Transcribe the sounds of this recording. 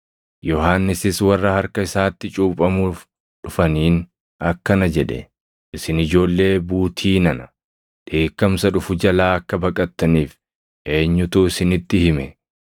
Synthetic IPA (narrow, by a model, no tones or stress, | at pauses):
jɔhaːnːɪsɪswɐrːɐhɐɾkɐɪsaːt̪ːɪt͡ʃʼuːpʼɐmuːf | ᶑʊfɐniːn | ɐkːɐnɐd͡ʒɛᶑɛ̰ | ʔɪsɪnɪd͡ʒo̞ːlːe̞ːbuːt̪ʰiːnɐnɐ | d̪̥e̞ːkːɐmsɐᶑʊfʊd͡ʒɐlaːɐkːɐbɐkʼɐt̪ːɐniːf | ʔe̞ːɲːʊt̪uːɪsɪnɪt̪ːɪhɪmɛ